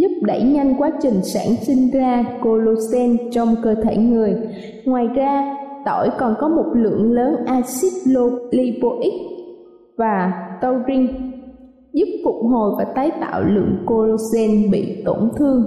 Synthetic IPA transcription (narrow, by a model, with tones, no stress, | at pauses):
zʊ˦˥p̚ɗə˧˩jɲa˧jŋkwaː˨˦t͡ɕï˨˩ŋ̟sa̰ː˧˩nsï˧ŋ̟zaː˧ko˧lo˧sɛ˧nt͡ɕɔ˧wŋ͡mkəː˧t̪ʰe˧˩ŋɨ˨˩əj | ŋwaː˨˩jzaː˧t̪o˧˩jkɔ˨˩nkɔ˨˦mo˨˩t̚lɨ̰˧˨əŋləː˨˦nʔaː˧si˦˥p̚lo˧li˧po˧ʔi˦˥k̚ | vaː˨˩t̪ə˧wzï˧ŋ | zu˦˥p̚fʊ˨˩k͡p̚ɦo˨˩jvaː˨˩t̪aː˨˦jt̪a̰ː˧˨wlɨ̰˧˨əŋko˧lo˧sɛ˧nɓḭ˧˨t̪o˧˩nt̪ʰɨ˧əŋ